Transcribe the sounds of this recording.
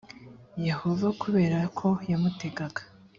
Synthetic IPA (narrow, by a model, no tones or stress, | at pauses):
je̞ho̞vakuβe̞ːɾakʰo̞jamute̞ɡaɡḁ